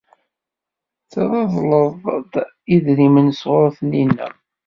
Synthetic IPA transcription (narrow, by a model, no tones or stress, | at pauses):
θəðˤɑðˤləðˤd | iðɾimənsʁʊɾˤθninːæ̰